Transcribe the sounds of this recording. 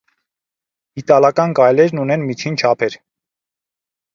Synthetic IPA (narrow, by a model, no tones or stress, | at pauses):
it̪ɑlɑkɑnkɑjlɛɾnunɛnmit͡ʃʰint͡ʃʰɑpʰɛɾ